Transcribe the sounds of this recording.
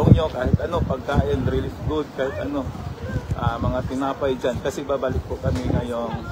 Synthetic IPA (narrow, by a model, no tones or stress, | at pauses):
oŋɲokaːhɪt̪ʔɐno̞pɐɡ̚kaːʔɪnɾiːlɪɡʊd̪̚kaːhɪt̪ʔɐno̞ʔamɐŋat̪ɪnaːpɐjd͡ʒankɐsɛbabalɪk̚pʊkɐmɪŋɐjoŋ